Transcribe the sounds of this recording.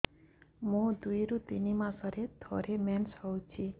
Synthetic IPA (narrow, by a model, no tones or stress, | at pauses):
mũd̪ujɾut̪inimãsɔɾed̪ʱɔ̰ɾemɛnshɔwt͡ʃʰi